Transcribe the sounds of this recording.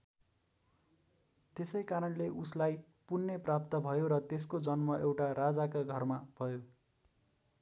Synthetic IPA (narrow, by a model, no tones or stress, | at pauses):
t̪esʌjkaɾʌnleʔuslaj | punːeprapt̪ʌbʱʌjoɾʌt̪eskod͡zʌnmʌʔewʈaɾad͡zakaɡʱʌrmabʱʌjo